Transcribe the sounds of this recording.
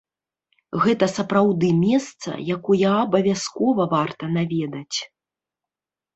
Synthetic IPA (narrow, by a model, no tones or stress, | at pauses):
ɣɛt̪ɐsɐpɾawd̪ɨmʲɛst̪sɐ̰jakɔjɐːbɐvʲaskɔvɐvart̪ɐnavʲɛd̪ɐt͡sʲ